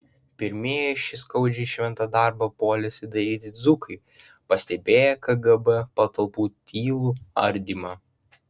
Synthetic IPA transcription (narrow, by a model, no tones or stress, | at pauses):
pʲɪɾʲmʲeɛjɛʃʲɪskɐʊd͡ʒʲɛɪʃʲʋʲɛnˑt̪ɐd̪ɑˑɾbɐpoːlʲɛsʲɪd̪ɐɾʲiːt̪ʲɪd̪zʊkɐɪ | pɐsʲt̪ʲɛbʲeːjɛkɐɡɐbɛpɐt̪ɐlˠpuːt̪ʲʰiːlˠuːɐ̰ɾʲd̪ʲimɑ